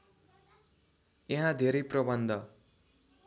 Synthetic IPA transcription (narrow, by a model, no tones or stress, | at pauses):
jeɦãd̪ʱeɾʌjprʌbʌnd̪ʱʌ